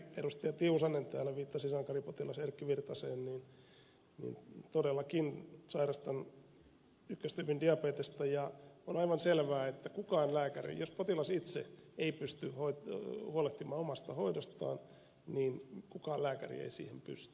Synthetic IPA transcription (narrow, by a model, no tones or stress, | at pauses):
perust̪iɑt̪iusɑnːent̪æ̰ːlːæʋiːt̪ːɑsisɑŋkɑripot̪ilɑserkːiʋirt̪ɑseːnnin | nḭːnt̪odelːɑkinsɑirɑst̪ɑn | ykːøst̪ypyndiɑpeːt̪est̪ɑjɑonɑiʋɑnselʋæːet̪ːækukɑːnlæːkærḭjospot̪ilɑsit̪sḛeipyst̪yhoithuoleht̪imɑːomɑst̪ɑhoidost̪ɑ̰ːn | niːnkukɑːlæːkæ̰rḭḛisḭːhempy̰st̪y̥